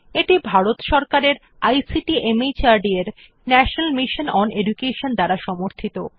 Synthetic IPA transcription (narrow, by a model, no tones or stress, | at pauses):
eʈibʱaɾot̪ʃɔɾkaɾeɾ | ajsiʈiʔemejt͡ɕaɾɖieɾ | nɛʃonalmiʃonɔneɖukeʃond̪aɾaʃɔmoɾt̪ʰit̪o